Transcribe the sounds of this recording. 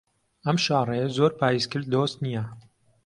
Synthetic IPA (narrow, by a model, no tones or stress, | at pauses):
ɐmʃɑːrˤejezoɾpʰaːjizkɨɾ̚d̪ost̪nijɐ